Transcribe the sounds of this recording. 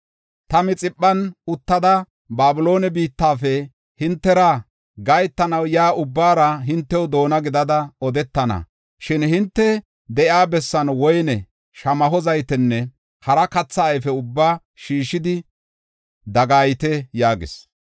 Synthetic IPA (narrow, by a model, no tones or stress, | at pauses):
t̪ɐmɪt͡sʼɪpʼːɐnʊt̪ːɐd̪ɐ | baːbʊlo̞ːnɛbiːt̪ːaːfɛ | hɪnt̪ːɛɾa | ɡɐjt̪ːɐnɐwjaːʔʊbːaːɾɐɦɪnt̪ːɛwʊd̪o̞ːnɐɡɪd̪ɐd̪ɐɔd̪ɛt̪ːɐnɐ̰ | ʃɪnhɪnt̪ːɛ | d̪ɛʔjaːbɛsːɐnwɔjnɛ | ʃɐmɐɦɔzɐjt̪ɛnːɛ | hɐɾɐkɐt͡sːɐːjfɛʊbːaː | ʃiːʃːɪd̪ɪ | d̪ɐɡaːjt̪ɛjaːɡɪ̰s